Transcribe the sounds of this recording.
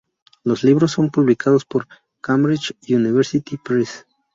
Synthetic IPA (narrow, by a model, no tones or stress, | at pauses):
losliβɾosːo̞mpuβlikʰaðospoɾ | kambɾit͡ʃjuniβeɾsit̪ipɾis